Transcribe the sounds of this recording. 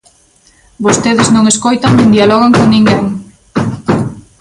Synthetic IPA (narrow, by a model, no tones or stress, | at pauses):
bost̪eðɪznõŋeskojt̪aŋnẽnd̪ialoɣ̞aŋkoŋnĩŋɡeŋ